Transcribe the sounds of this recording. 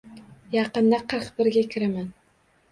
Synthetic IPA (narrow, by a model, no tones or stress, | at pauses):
jɑqɨnd̪aqʰɨɾqbɪɾɡʲakʲʰɪɾaman